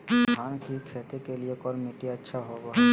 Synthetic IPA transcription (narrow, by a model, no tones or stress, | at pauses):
ankikʰet̪ekelijekɔɾmiʈiatːʃʰaɦɔbo